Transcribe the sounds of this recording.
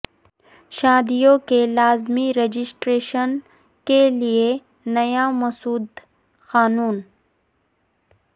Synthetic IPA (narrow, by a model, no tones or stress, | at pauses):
ʃaːd̪ijõkelaːzmiɾed͡ʒɪsʈɾeːʃən | kelie | nɐjamɐsuːd̪ | xaːnuːn